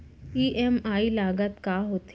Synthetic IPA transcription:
iːʔɛmaːilaːɡət̪kaːɦoːt̪

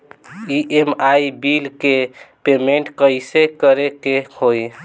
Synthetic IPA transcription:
iʔemajbilkepemeɳʈkəjsekəɾekehoj

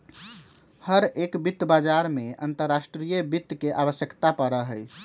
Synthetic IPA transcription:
həɾekbit̪ːbad͡ʒaɾmeə̰nt̪əɾːasʈɾijəbit̪ːkeʔabəsjəkt̪apəɾəɦəj

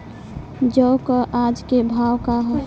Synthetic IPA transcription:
d͡ʒəʊkəʔad͡ʒkebʱawkaɦ

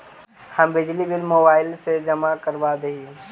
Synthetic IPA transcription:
həmbɪd͡ʒlibɪlmoːbaːɪlsed͡ʒəmakəɾbad̪eɦie

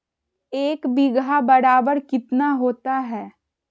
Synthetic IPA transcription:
eːkbiɡabɐɾaːbəɾkɪt̪naɦoːt̪aɦɛː

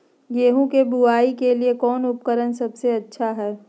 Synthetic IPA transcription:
ɡeːɦũkebuaːikeliekɔːnʊpkəɾənsɐbseɐtːʃʰaɦɛː

